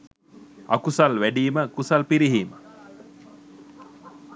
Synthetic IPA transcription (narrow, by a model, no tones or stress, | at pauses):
a̰kusalʋæɖiːməkusalpiɾiɦiːmə